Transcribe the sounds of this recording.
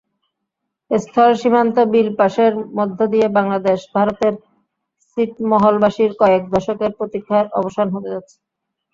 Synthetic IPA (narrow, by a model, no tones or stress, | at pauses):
est̪ʰɔlʃim̤ant̪obilpaʃeɾmɔd̪ʱːod̪ijebaŋlad̪eʃbʱaɾot̪eɾ | siʈmɔɦolbaʃiɾkɔek̚d̪ɔʃokeɾpɾot̪ikʰːaɾɔ̰boʃanɦot̪ed͡ʑat̪ːɕʰe̥